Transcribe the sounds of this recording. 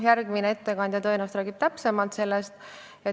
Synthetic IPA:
jærɡ̥mineet̪ːe̞kɑnʲd̪ʲjɑt̪o̞jnust̪ɾæːɡ̥ib̥̚t̪æpse̞mɑlt̪se̞lːest̪ | e

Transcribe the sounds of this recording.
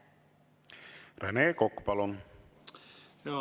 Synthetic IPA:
reneːkokpalon

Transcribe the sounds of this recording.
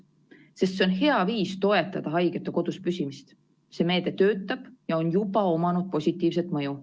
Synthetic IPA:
se̞st̪se̞o̞nhe̞ɑviːst̪o̞e̞t̪ːˑɑd̪̥ɑɦɑjɡ̥et̪ːˑeko̞d̪̥uspysʲimist̪ | se̞ːme̞ːd̪̥e̞t̪ø̞ːt̪ːˑɑb̥jɑo̞njubɑo̞mɑnud̪̥̚po̞sʲit̪ːˑiːvse̞t̪ˑmɤju

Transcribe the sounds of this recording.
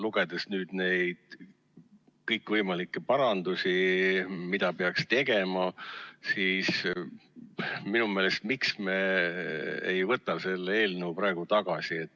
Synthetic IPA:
luɡ̥e̞d̪̥esnyːd̪̥ne̞jd̪̥ | kɤjkːˑvɤjmɑlikːˑepɑɾɑnd̪usʲi | mid̪̥ɑpeɑkst̪e̞ɡ̥e̞mɑsiːs | minume̞ːle̞st̪miksme | ejvɤt̪ːˑɑse̞lːeeːlnəupɾɑeɡ̥ut̪ɑɡ̥ɑsie̞t̪ːˑ

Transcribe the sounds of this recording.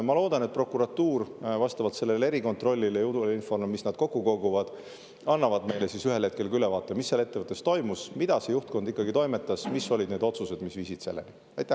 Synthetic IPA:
mɑlo̞ːd̪̥ɑnet̪̚pro̞kuɾɑt̪ːuːrvɑst̪ɑvɑlt̪se̞lːele̞ɾiko̞nt̪ˑro̞lʲːiljut̪uleinfo̞rmmːisnɑd̪̥̚ko̞kːˑuko̞ɡuvɑd̪̥ | ɑnːɑvɑd̪me̞jlesisyɦe̞lhe̞t̪̚ke̞lkylevɑːt̪ːˑemisːelːe̞t̪ːevɤt̪ːˑe̞st̪o̞jmusmid̪̥ɑse̞juht̪̚ko̞nd̪ikːɑɡit̪o̞jme̞t̪ːˑɑsmisːo̞lʲid̪ne̞d̪o̞t̪suse̞d̪̥misviːsit̪se̞lːḛni | ɑjt̪ːˑæh

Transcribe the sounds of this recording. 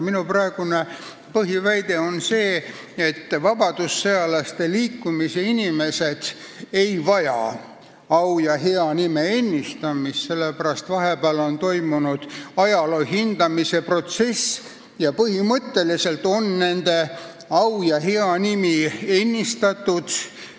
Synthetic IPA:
minuprɑe̞ɡ̥une | pɤɦivæjd̪e̞o̞nse̞ː | et̪ːvɑbɑd̪usːeɑlɑst̪e̞liːkːumise̞inʲime̞se̞d̪̥ | e̞jvɑjɑ̰ | ɑwjɑɦe̞ɑnimeenʲːist̪ɑmisse̞lːepæɾɑst̪vɑɦepæːlo̞nt̪o̞jmunud̪̥ɑjɑloːɦind̪̥ɑmise̞pro̞t̪se̞s | jɑpɤhimɤt̪ːe̞lise̞lt̪o̞nːe̞nd̪̥e̞ | ɑwjɑɦeɑnimienʲːist̪ɑt̪ːˑud̪̥

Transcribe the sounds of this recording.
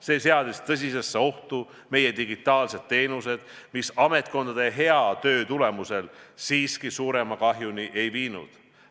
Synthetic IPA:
se̞ːse̞ɑd̪̥ist̪ɤs̬ʲise̞sːeo̞ht̪u | me̞jed̪iɡit̪ːˑɑːlse̞d̪̥̚t̪e̞ːnuse̞d̪̥ | misɑme̞t̪̚ko̞nd̪ɑd̪e̞ɦe̞ɑt̪ø̞ːt̪ule̞muse̞lsiːskisuːɾe̞mɑkɑɦjuniʔe̞jviːnṵd̪̥

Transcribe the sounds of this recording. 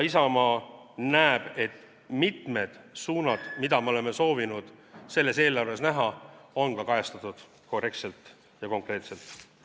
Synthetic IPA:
isɑmɑːnæːeb̥e̞t̪ː | mit̪me̞d̪̥suːnɑd̪̥mid̪̥ɑme̞ole̞meso̞ːvinud̪̥se̞lːe̞se̞ːlɑrve̞snæɦɑo̞nkɑkɑjest̪ɑt̪ːˑud̪̥ | ko̞re̞kt̪se̞lt̪ˑ | jɑko̞ŋkrɾe̞ːt̪se̞lt̪ˑ

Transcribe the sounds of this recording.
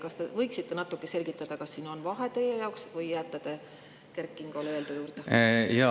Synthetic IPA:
kɑst̪evɤ̞jksit̪ːe̞nɑt̪ːˑukːˑese̞lʲɡ̥it̪ːˑɑd̪̥ɑkɑsːiːno̞nvɑɦe̞t̪e̞jːejɑwksvɤjːæt̪ˑːɑd̪̥e | kerkːˑiŋɡ̥oleːld̪̥ujuːɾd̪̥ejɑ

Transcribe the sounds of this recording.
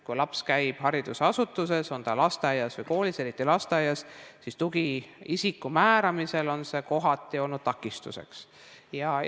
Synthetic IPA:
kujlɑpskæjb̥hɑɾid̪̥usɑsut̪ːˑuse̞so̞nt̪ɑlɑst̪eɑjɑsvɨjko̞ːlise̞ɾit̪ːˑilɑst̪eɑjɑssist̪uɡ̥iisikːˑumæːɾɑmise̞lo̞nse̞ko̞ɦɑt̪ːˑio̞lnud̪̥̚t̪ɑkːˑist̪ṵse̞̰ks | jɑ

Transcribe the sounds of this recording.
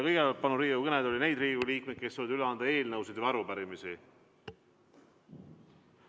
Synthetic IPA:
kɤjɡeɑlt̪̚pɑnuɾiːɡukɤned̪o̞lʲinejd̪riːɡuliːk̚met̪̚ke̞st̪ːojd̪yleɑnd̪ɑe̞ːlnɤwsed̪ɑɾupæɾimisi

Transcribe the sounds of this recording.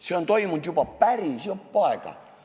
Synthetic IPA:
seont̪oimunt̪jupɑpæriˑsioppɑˑekɑ̰

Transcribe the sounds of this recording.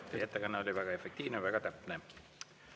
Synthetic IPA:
et̪ːekɑnːeo̞lʲivæɡ̥ɑe̞fek̚t̪iːvnevæɡ̥ɑt̪æpne

